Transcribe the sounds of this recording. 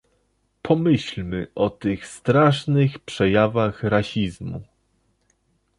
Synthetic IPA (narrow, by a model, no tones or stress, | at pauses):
pʰɔmɘɕlmɘʔɔt̪ɘxst̪ɾaʂnɘxpʂɛjavaxɾaɕizmṵ